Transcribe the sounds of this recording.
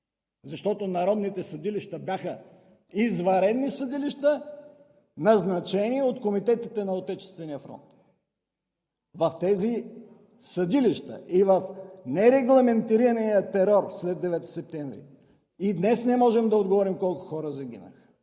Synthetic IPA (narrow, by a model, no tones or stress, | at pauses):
zɐʃt̪ɔt̪onɐɾɔd̪nit̪ɛsɐd̪iliʃt̪əbjaxə | izvɐɾɛd̪nisɐd̪iliʃt̪ə | nɐznɐt͡ʃɛniɛot̪komit̪ɛt̪it̪ɛnɐot̪ɛt͡ʃɛ̥st̪vɛnijəfɾɔ̰nt̪ | vɐft̪ɛzi | sɐd̪iliʃt̪ə̰ʔivɐfnɛɾɛɡlˠɐmɛnt̪iɾiɾɐnijət̪ɛɾɔɾslɛd̪ːɛvɛt̪i̥sɛp̚t̪ɛɱvɾḭ | id̪nɛsnɛmɔʒɛmd̪ɐod̪ɡovɔɾimkɔlˠkʊ̥xɔɾəzɐɡ̟ʲḭnə̰x